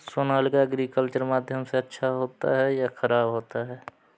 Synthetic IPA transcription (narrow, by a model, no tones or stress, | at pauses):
soːnaːlkaɐɡɾiːkəlt͡ʃəɾmaːd̪ʱjəmseɐtːʃʰaɦoːt̪a̰ɦɛjaxəɾaːbɦoːt̪aɦɛː